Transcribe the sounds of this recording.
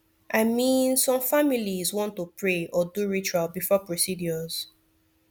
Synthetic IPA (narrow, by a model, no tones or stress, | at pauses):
ʔaɪmĩnsɔ̃mfamilizwɔ̃ntːupɹeɔduɹit͡ʃualbifɔpɹosidjɔz̥